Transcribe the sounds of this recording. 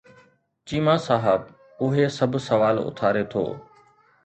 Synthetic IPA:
t͡ʃiːmaːsaːɦəb | ʊɦesɐbʱsɐʋaːlʊ̰t̪ʰaːɾet̪ʰo̰ː

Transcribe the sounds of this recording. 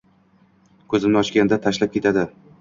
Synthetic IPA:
kʰɵzɪmnɪɒʃkʲand̪at̪ʰaʃlap̚kʲʰe̞t̪ʰad̪ɪ

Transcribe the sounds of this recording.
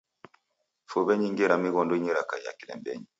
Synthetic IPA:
fɔβɛɲiŋɡɛɾamiɣɔndɔiɲiɾakaija̰kilɛ̰mbɛ̰ɲi

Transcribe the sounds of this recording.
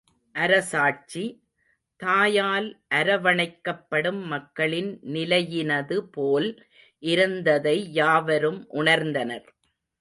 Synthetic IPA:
ʔɐɾɐsaːʈ̚t͡ʃi | t̪aːjaːlʔɐɾɐʋɐɳɐɪkːɐpːɐɽɯmːɐkːɐɭɪnnɪlɐjɪnɐðɯpoːl | ʔɪɾɯnd̪ɐðɐɪjaːʋɐɾɯmʔʊɳɐɾnd̪ɐnɐɾ

